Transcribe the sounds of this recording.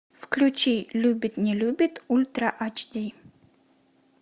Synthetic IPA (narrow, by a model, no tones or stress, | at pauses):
fklʲʉt͡ɕilʲubʲɪt̪nʲɪlʲubʲɪt̪ulʲt̪ɾaʔat͡ɕd̪ʲi